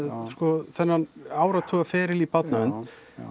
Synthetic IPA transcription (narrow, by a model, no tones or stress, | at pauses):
skɔθɛnːanaːwɾat̪ʰuːɣafɛːɾɪlipat̪naʏnt̪